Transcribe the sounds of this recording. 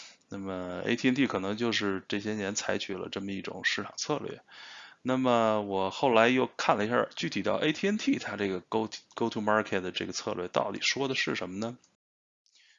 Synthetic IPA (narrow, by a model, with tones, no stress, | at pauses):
na˥˩mə˩ḛ˥ɪt̪ʰi˥nt̪ʰi˥˩kʰɤ˨˩nɤ˧˥ŋt͡ɕjo˥˧ʊʂɻ̩˥˧ʈ͡ʂɤ˥˩ɕjɛ˥njɛ˧˥nt͡sʰa˧˥ɪt͡ɕʰy˨˩lə̰˦ʈ͡ʂə˥˩mə˩i˥˩ʈ͡ʂʊ̰˨˩ŋʂɻ̩˥˩ʈ͡ʂʰɑ̰˨˩ŋt͡sʰɤ˥˧lɥɛ̰˥˩na˥˩mə˩wɔ˨˩xo˥˩ʊla˧˥ɪjo˥˧ʊkʰa˥˩nlə˩i˧˥ɕja̰˥˧t͡ɕy˥˩t̪ʰi˨˩t̪ɑ˥˩ʊʔe˥ɪt̪ʰi˥ə˥nt̪ʰi˥˩t̪ʰa˥ʈ͡ʂɤ˥˩ɡə˩ko˥ʊko˥ʊt̪ʰu˥˧ma˥kʰe˥˩d̪ə˩ʈ͡ʂɤ˥˩ɡə˩t͡sʰɤ̰˥˧lɥɛ˥˩t̪ɑ˥˩ʊt̪ḭ˨˩ʂwɔ˥d̪ə˨ʂɻ̩˥˩ʂə˧˥nmə˧nə˨